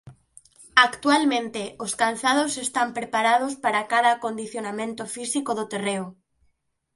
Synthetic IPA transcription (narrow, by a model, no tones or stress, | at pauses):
akt̪ualmẽnt̪eʔoskanθað̞osest̪ampɾepaɾað̞ospaɾakaðaːkond̪iθjonamẽnt̪ofisikoðot̪ereo